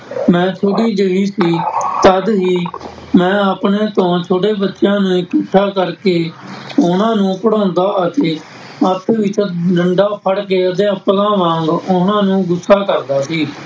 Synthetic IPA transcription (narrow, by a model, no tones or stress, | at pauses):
mɛ̃ːtʰoːɽiːd͡ʒəʋiːsiːt̪əd̪ɦiː | mɛ̃ːəpneːt̪õːt͡ʃʰoːʈeːbət̪ːʃjãːnũːɪkɪʈʰːaːkəɾkeːʊnãːnũːpəɽõːnd̪aːət̪eː | ət̪ʰʋɪt͡ʃɖəɳɖaːpʰəɽk̬eːət̪̬ẽːəplãːʋãːŋɡʊnãːnũːɡʊsːaːkəɾd̪aːsiː